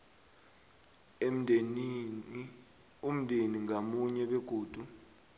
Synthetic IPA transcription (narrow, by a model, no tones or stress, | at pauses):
um̩dʱeniŋɡʱamuɲɛɓeɡ̥ʱuːd̥ʱu